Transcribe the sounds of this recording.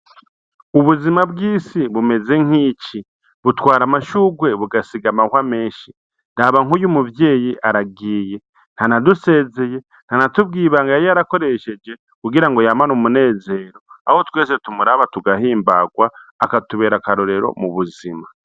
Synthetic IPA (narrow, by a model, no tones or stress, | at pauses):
uβuzimabɡiːsiβume̞ze̞ŋ̥iːci | βutwaːɾamaʃuɡwe̞βuɡasiɡamahwame̞ːʃi | ndaβaŋujumuvje̞ːjiʔaɾaɡiːje̞ | n̥hanaduse̞ːze̞je̞ | n̥hanatub̚ɡiːβaŋɡajoaɾako̞ɾe̞ʃe̞d͡ʒe̞ | kuɡiɾaŋɡo̞jamanoːmune̞ːze̞ːɾo̞a̰ho̞twe̞ːse̞tumuɾaβatuɡaɦiːmbaɡwaːkatuβe̞ːɾakaɾoɾe̞ɾo̞̰muβuzima